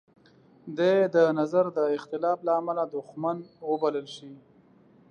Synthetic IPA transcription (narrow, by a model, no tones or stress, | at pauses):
d̪ed̪ənazaɾd̪əɪxt̪ɪlɑflaːmalad̪ʊxmanwəbaləlʃi